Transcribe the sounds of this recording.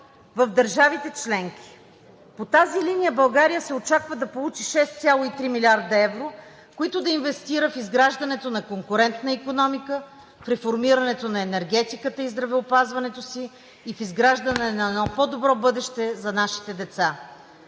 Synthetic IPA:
vəvd̪əɾʒavit̪ɛt͡ʃlɛŋk̟i̥ | pot̪azilinijəbɐlˠɡaɾijəsɛot͡ʃakvəd̪ɐpolˠut͡ʃiʃɛst̪sʲjalˠoit̪ɾimilʲiaɾd̪ɐɛvɾo | koit̪ʊd̪ɐinvɛst̪iɾəfizɡɾaʒd̪ɐnɛt̪onɐkoŋkʊɾɛnt̪nəikonɔmikə | fɾɛfoɾmiɾɐnɛt̪onɐɛnɛɾɡɛt̪ikət̪əizd̪ɾɐvɛopazvɐnɛt̪osiː | fizɡɾaʒd̪ɐnɛnɐɛnɔpɔd̪obɾɔbɤd̪ɛʃt̪ɛzɐnaʃi̥t̪ɛd̪ɛt̪sa

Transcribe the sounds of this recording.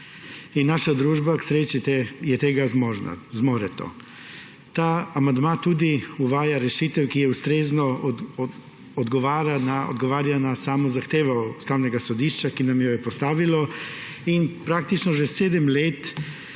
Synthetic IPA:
inːaːʃad̪ɾuːʒbaksɾeːt͡ʃit̪ɛjɛt̪eːɡazmɔːʒna̰zmɔːɾɛt̪o̰ | t̪aamand̪mat̪uːd̪iuʋaːjaɾɛʃit̪ɛwkijɛust̪ɾeːznɔ | ɔd̪ɡɔʋaːɾanao̰d̪ɡɔʋaːɾjanasamɔzaxt̪eːʋaust̪aːwnɛɡasɔd̪iʃt͡ʃakinamjɔjɛpɔst̪aːʋilɔ | inpɾak̚t̪it͡ʃnɔʒɛseːd̪ɛmleːt̪

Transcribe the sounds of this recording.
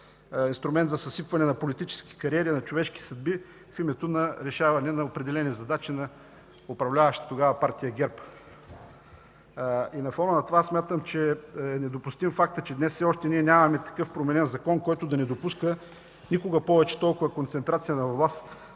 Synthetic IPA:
inst̪ɾʊmɛnt̪zɐsɐsipvɐnɛnɐpolit̪it͡ʃɛ̥sk̟i̥kɐɾiɛɾinɐt͡ʃovɛʃki̥sɐd̪̚bi | fimɛt̪onɐɾɛʃavɐnɛnɐopɾɛd̪ɛlɛnizɐd̪at͡ʃinɐ | ʊpɾɐvlʲavɐʃt̪ə̥t̪oɡavɐpaɾt̪ijəɡʲɛɾp | inɐfɔnənɐt̪ovasmʲat̪əmt͡ʃɛɛnɛd̪opʊst̪imfakt̪ət͡ʃɛd̪nɛssɛɔʃt̪ɛniɛnʲamɐmɛt̪ɐ̥kɤfpɾomɛnɛnzɐkɔnkɔjt̪ʊd̪ɐnɛd̪opuskə | nikʊɡɐpɔvɛt͡ʃɛ̥t̪ɔlˠkʊvɐkont̪sɛnt̪ɾat̪sijənɐvlˠas

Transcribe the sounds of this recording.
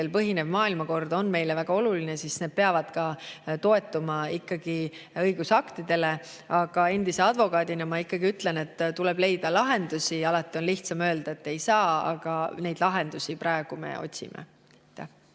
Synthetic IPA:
elpɤɦine̞vmɑːilmɑko̞rd̪̥o̞nme̞jlevæɡ̥ɑo̞luline̞sisne̞d̪̥̚pe̞ɑvɑd̪̥kɑt̪o̞e̞t̪ːˑumɑikˑːɑɡ̥iɤjɡ̥usɑkt̪id̪̥e̞le̞ | ɑɡ̥ɑe̞nd̪̥ise̞ɑd̪vo̞kɑːd̪inɑmɑikːɑɡ̥iyt̪le̞ne̞t̪ːt̪ːule̞b̥le̞jd̪̥ɑlɑɦe̞nd̪̥usiɑlɑt̪ːˑio̞nliht̪sɑmø̞ːld̪̥ɑe̞t̪ːe̞jsɑːɑ̰ɡ̥ɑne̞jd̪̥lɑɦe̞nd̪̥usiprɑe̞ɡ̥ume̞̰o̞̰tʲsḭmʔḛ | t̪ːˑæ

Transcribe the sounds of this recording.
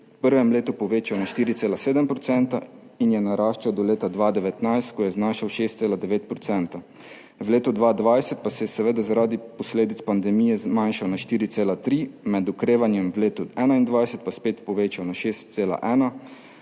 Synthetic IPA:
pəɾʋɛmleːt̪upɔʋeːt͡ʃawnaʃt̪iːɾit̪seːlaseːd̪ɛmpɾɔt̪sɛnt̪ainjɛnaɾaːʃt͡ʃawd̪ɔleːt̪ad̪ʋaːd̪ɛʋɛt̪najst̪̚kɔjɛznaːʃawʃeːst̪seːlad̪ɛʋeːt̪̚pɾɔt̪sɛnt̪a | wleːt̪ɔd̪ʋaːd̪ʋajsɛt̪̚pasɛjɛsɛʋeːd̪azaɾaːd̪ipɔsleːd̪it̪spand̪ɛmijɛzmanʃawnaʃt̪iːɾit̪seːlat̪ɾimɛd̪ukɾeːʋanjɛmwleːt̪uɛːnaind̪ʋajsɛt̪̚paspeːt̪pɔʋeːt͡ʃawnaʃeːst̪̚seːla̰ʔɛːna

